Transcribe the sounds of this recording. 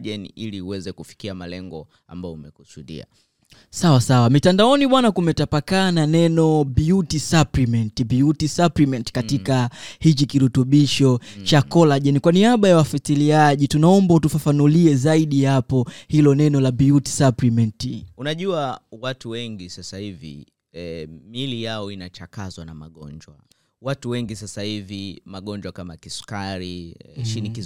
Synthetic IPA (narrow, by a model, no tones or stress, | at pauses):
ʄɛnḭʔiliuwɛzɛkufi̥kiama̰lɛ̰ŋɡɔ̰ | a̰mbaɔumɛkusuɗḭa̰ | sawasawamitandaɔniɓwanakumɛtapakaːnanɛnɔbiutisaplimɛntibiutisaplimɛnti̥katikahit͡ʃikiɾutuɓiʃɔt͡ʃakɔlaʄɛnikwaniaɓajawafatiliaʄitunaɔmbautufafanuliɛzaiɗihapɔhilɔnɛnɔlabiuti̥saplimɛntiunaʄuawatuwɛŋɡisasahivḭ | ɛmilijaɔinat͡ʃakazwanama̰ɠɔ̰nd͡ʒwa̰ | watuwɛŋɡisasahivimaɠɔnd͡ʒwakamakisu̥kaɾiʃiniki